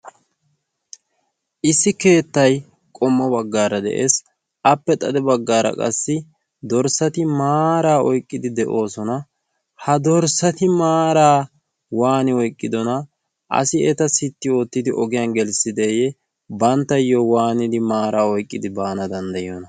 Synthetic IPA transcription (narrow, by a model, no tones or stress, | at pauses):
ʔɪsːɪke̞ːt̪ːɐj | kʼɔmːɐbɐɡːaːɾɐd̪ɛ̰ʔḛːs | ɐpːɛt̪ʼɐd̪ɛbɐɡːaːɾɐ̰kʼɐ̰sːɪ | d̪ɔɾsɐt̪ɪmaːɾaːɔjkʼːɪd̪ɪd̪ɛʔo̞ːsɔnɐ | hɐd̪ɔɾsɐt̪ɪmaːɾaː | waːnɪɔjkʼːɪd̪ɔnɐ | ʔɐ̰sɪɛt̪ɐsɪt̪ːɪo̞ːt̪ːɪd̪ɪʔɔɡɪjanɡɛlsɪd̪eːjɛ | bɐnt̪ːɐjːowaːnɪd̪ɪmaːɾaːɔjkʼːɪd̪ɪbaːnɐd̪ɐnd̪ɐjɔnɐ